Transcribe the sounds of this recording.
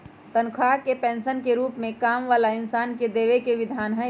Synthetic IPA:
t̪ənkʰaːkepɛ̃ːnʃənkeɾuːpmẽkaːmʋaːlaɪnsaːnked̪eːʋekeʋɪd̪ʱaːnɦɛ

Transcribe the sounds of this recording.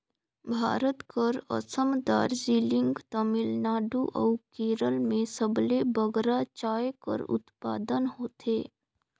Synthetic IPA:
bʱa̰ːɾət̪kəɾə̰səmd̪a̰ːɾziːlɪ̃ŋɡt̪əmɪlnaːɖuʔɐ̰ːkeːɾəlmẽsəblebəɡɾat͡ʃaːjkə̰ɾʊ̰t̪pa̰ːd̪ənɦoːt̪eː

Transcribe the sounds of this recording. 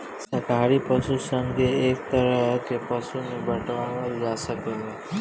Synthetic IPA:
səkaɾipəsusəŋɡʱeːk̚t̪əɾəɦɦkepəsunebʱəʈʋaʋəld͡ʒasəkee

